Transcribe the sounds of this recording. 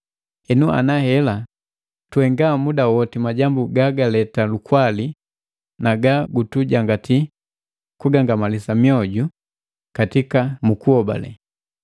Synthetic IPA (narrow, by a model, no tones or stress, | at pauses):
ɛnuʔa̰nahɛla | tuɛŋɡamudawɔtimaɟambuɡaɡalɛtalukwali | naɡaɡutuɟaŋɡati | kuɡaŋɡamalisamiɔɟu | katikamukuhɔba̰lɛ̰